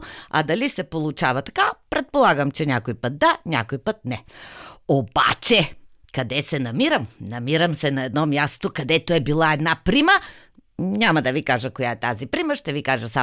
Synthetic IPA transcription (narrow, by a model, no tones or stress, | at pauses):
a̰d̪alisɛpolˠut͡ʃavɐt̪ḁkapɾɛt̪̚polˠaɡɐmt͡ʃɛnʲakojpət̪̚d̪anʲa̰kojpət̪̚nɛ | oba̰t͡ʃɛ | kɐd̪ɛsɛnɐmiɾɐmnɐmiɾɐmsɛnaɛd̪nɔmjast̪okɐd̪ɛt̪oɛbilˠaɛd̪napɾimə | ɲʲamɐd̪ɐvikaʒɐkojaɛt̪azipɾimɐʃt̪ɛvikaʒɐsa